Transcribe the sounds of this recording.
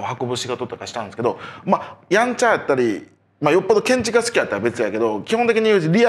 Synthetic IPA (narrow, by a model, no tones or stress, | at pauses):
ohako̞bɯ̟ɕiɡo̞t̪o̞t̪o̞kaɕi̥t̪ãnd̪esɨ̥ke̞d̪o̞majãɲt͡ɕajat̪ːaɾʲi | majo̞pːod̪o̞kẽ̞ɲ̟t͡ɕiɡasɨ̥kʲijat̪ːaɾabe̞t͡sɨjake̞d̪o̞kʲihont̪ekiɲ̟iɯ̟ːʑiɾʲia